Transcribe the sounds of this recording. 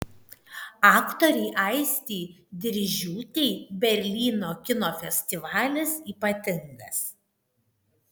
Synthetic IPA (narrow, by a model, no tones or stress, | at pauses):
ɑːkt̪oːɾʲɛɪʔɐɪsʲt̪ʲiːd̪ʲɪɾʲʒʲuːt̪ʲɛɪbʲɛɾʲlʲiːnoːkʲɪnoːfʲɛsʲt̪ʲɪʋɑːlʲɪsiːpɐt̪ʲɪŋɡɐs